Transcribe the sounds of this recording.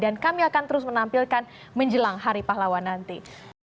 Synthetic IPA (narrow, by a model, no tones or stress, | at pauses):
dankamiakant̪əɾʊsmənampilkan | məɲd͡ʒəlaŋɦaɾipaɦlawanːant̪i